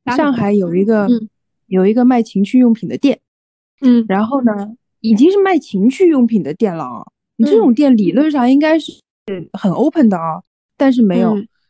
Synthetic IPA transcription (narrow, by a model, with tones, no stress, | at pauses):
ʂɑ˥˩ŋxa˧˥ɪjo˨˩ʊi˧˥ɡə˧ | jo˨˩ʊi˧˥ɡə˧ma˥˩ɪt͡ɕʰi˧˥ŋt͡ɕʰy˥˧jʊ˥˩ŋpʰi˨˩d̪ə˦t̪jɛ˥˩n | ɻa˧˥nxo˥˩ʊnə˩ | i˨˩t͡ɕi˥ŋʂɻ̩˥˧ma˥˩ɪt͡ɕʰi˧˥ŋt͡ɕʰy˥˧jʊ˥˩ŋpʰi˨˩d̪ə˦t̪jɛ˥˩nlə̰˩ɐ̰˧˩˦ | ni˨˩ʈ͡ʂɤ˥˩ʈ͡ʂʊ˨˩ŋt̪̬jɛ˥˩nli˨˩lwə˥˧nʂɑ˥˩ŋi˥ŋka˥ɪʂɻxə˨˩nʔo˥ʊpʰə˨˩nd̪ə˩ɐ˦ | t̪a˥˧nʂ̬ɻ̩˥˩me˧˥ɪjo˨˩ʊ